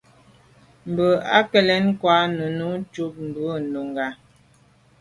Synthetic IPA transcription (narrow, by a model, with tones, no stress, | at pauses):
m̩˨bə˨a̰˦kɛ˨lɛ˦nkwa˨˦nu˨nu˦t͡ʃu˦p̚m̩˨bə˦˨nu˨ŋɡa˨